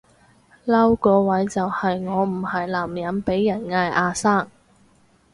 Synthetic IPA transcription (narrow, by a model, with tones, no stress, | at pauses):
lɐ˥wkɔː˧wɐ˨˥jt͡sɐ˨whɐ˨jŋɔː˨˧m̩˨˩hɐ˨jlaː˨˩mjɐ˨˥npe˨˥jːɐ˨˩nŋaː˧jʔaː˧saː˥˩ŋ